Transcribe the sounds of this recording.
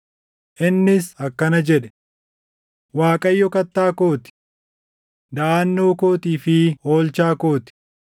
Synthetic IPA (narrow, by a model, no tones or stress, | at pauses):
ʔɪnːɪsɐkːɐnɐd͡ʒɛᶑɛ̥ | waːkʼɐjːɔkɐt̪ːaːko̞ːt̪ɪ̥ | d̪ɐʔaːnːoːko̞ːt̪iːfɪo̞ːlt͡ʃaːko̞ːt̪ɪ̥